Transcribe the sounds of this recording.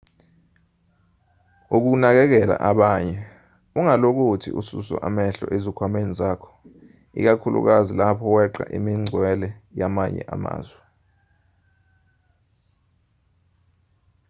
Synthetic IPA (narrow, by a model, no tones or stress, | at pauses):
uk̬unak̬ɛk̬ɛla̰ʔaɓaɲɛ | uŋalok̬utʰḭusṵsɔ̰ʔamɛɬɔ̰ʔezikʰwamenizakʰɔ̥ | ḭk̬akʰulṵk̬azilapʰɔwɛǃa̰ʔimiŋ͡ǀʱwɛlɛjamaɲɛ̰ʔama̰ːzwɛ